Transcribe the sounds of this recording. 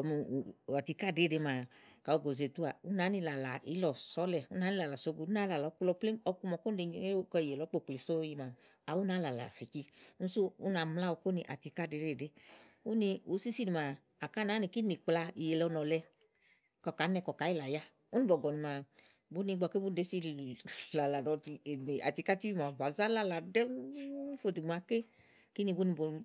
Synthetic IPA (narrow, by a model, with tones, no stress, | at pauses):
ɔ˨m˧˨a˨ti˧ka˦˨de˨˦de˨˧˦maː˨ka˨o˧ɡo˨ze˨tu˦a˨u˦na˨˦ni˧la˨la˨i˦lɔ˨sɔ˨˦lɛ˧u˦na˨˦ni˦la˨la˨so˧˦ɡu˧˨u˦na˨˦la˨lɔ˨˦ku˦lɔ˧˦ple˦ɔ˧ku˧mɔ˨ko˦n˦de˧˦kɔ˧i˨je˨lɔ˨˦k͡po˦˨k͡ple˨˦so˦ji˧ma˨ | a˨wu˦naː˨˦la˨la̰˨fi˨ki˧n̩˦su˦u˦na˨˦mla˦o˧ko˦ni˧˨ʔa̰˨ti˧ka˦˨de˨˦ɾe˦˨de˦ | u˦ni˧u˨˦si˦si˦ni˨maː˨ | ka˦˨na˨˦ni˨ki˦ni˨k͡pla˧i˨je˨lɛ˧ɔ˧nɔ˨lɛ˧ | kɔ˨ka˨˦nɛ˧˨kɔ˨ka˨˦i˦la˨ja˦ | u˦ni˦bɔ˨ɡɔ˨ni˨ma˨ | bu˦ni˧ɡ͡bɔ˧ke˦bu˦n˦de˨˦si˧la˨la˨nɔ˨˧ti˧˨ne˨a̰˨ti˧˦ka˦ti˦i˦ma˨va˨za˦la˦la˨dɛ˦fo˨˧˨ti˨ɡ͡bu˨a˧˦ke˦ | ki˦ni˧bu˦ni˧bo˨˧